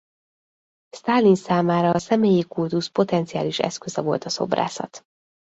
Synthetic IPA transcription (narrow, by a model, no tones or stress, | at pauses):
st̪aːlinsaːmaːɾɒːsɛmeːjikult̪uspo̞t̪ɛnt̪sijaːliʃɛ̰skø̞zɛvo̞̰lt̪ɒso̞̰bra̰ːsɒ̰t̪